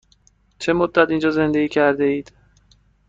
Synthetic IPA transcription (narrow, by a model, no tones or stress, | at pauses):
t͡ʃʰemod̪ːæt̪ind͡ʒɒːze̞nd̪e̞ɡiːcʰæɾd̪eiːd̪̥